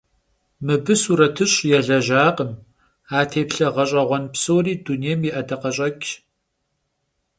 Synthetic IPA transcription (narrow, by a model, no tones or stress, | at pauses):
mɨbɨsuːɾɐtʰɨɕʼjɛɮɐʒaːqəm | aːtʰeːpɬɐʁɐɕʼɐʁʷɔnpsowɾiːdunejmjiʔɐdɐqɐɕʼɐkʲʼ